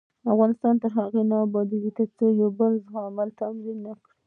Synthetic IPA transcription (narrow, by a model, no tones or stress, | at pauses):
afɣɑnɪst̪ɑnt̪aɦaɣenɑːbɑd̪iɡit̪əɾt͡sojawbəlzɣɑmalt̪amzinːakɽi